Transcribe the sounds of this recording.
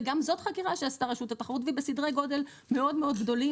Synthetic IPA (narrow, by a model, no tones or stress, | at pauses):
ɡamzo̞t̪χakiʁaʃeastaʁeʃut̪at̪aχaʁutvibesidʁeɡo̞d̪e̞l | me̞o̞d̪meo̞d̪ɡd̪o̞li